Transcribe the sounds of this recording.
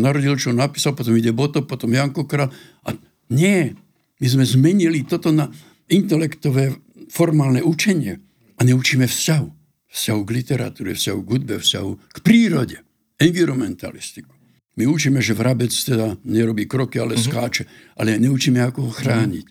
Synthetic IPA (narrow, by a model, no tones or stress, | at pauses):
naɾɔɟilt͡ʃɔnapiːsalpɔt̪̬ɔmiɟɛbɔt̪ɔpɔt̪ɔmjaŋkɔkɾaːl | a | ɲɪɛ | mizmɛzmɛɲilit̪ɔt̪ɔna | int̪ɛlɛkt̪ɔʋɛː | fɔɾmaːlnɛut͡ʃɛɲɪɛ | aɲɛut͡ʃiːmɛfscaɦu | fscaɦuɡlit̪ɛɾa̰t̪uːɾɛ̰fscaɦuɡɦud̪̚bɛfsca̰ɦukpɾiːɾɔɟɛ | ɛnviɾɔmɛnt̪a̰list̪i̥ku̥ | miut͡ʃiːmɛʒɛvɾabɛt͡st̪ɛd̪aɲɛɾɔbiːkɾɔkialɛskaːt͡ʃɛalɛɲɛut͡ʃiːmɛakɔɦɔxɾaːɲḭc